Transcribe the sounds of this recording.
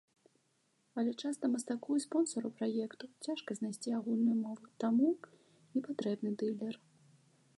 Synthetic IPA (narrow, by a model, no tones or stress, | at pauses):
ɐlʲɛt͡ʂast̪ɐmɐst̪akɔispɔnsɔɾupɾajɛkt̪ut͡sʲaʂkɐzʲnajsʲt͡sʲiaɣulʲnujumɔvut̪amu | nʲɛpat̪ɾɛbnɨd̪ɨlʲːɛr